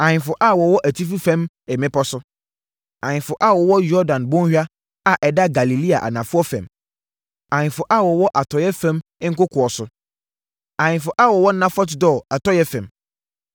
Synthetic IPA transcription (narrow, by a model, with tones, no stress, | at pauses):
ã˨ɲɪ̃˨fʊ˨ʔa˦˨wɔ˨wɔ˦ʔæ˨tʰi˦fu˦fɛ̃˦m | ɛ˨mɪ̃˦pɔ˦sʊ˦ | ã˨ɲɪ̃˨fʊ˨ʔa˦˨wɔ˨wɔ˦jɔ˦dã˨nbɔ̃˦ŋ˦hᶣa˦ | a˨ʔɛ˨da˦ɡa˨li˨li˦a̰˨ʔa̰˨nã˨fʊ˦ɔ˦fɛ̰̃˨m | ã˨ɲɪ̃˨fʊ˨ʔa˦˨wɔ˨wɔ˦ʔa˨tʰɔ˨jɛ˦fɛ̃˦mɪ̃˦ŋ̩˦kʊ˦kʰʊ˨ɔ˨sʊ˦ | ã˨ɲɪ̃˨fʊ˨ʔa˦˨wɔ˨wɔ˦n˦nã˦fɔ˦tɪ˨dɔ˦˨a˨tɔ˦jɛ˦fɛ̃˨m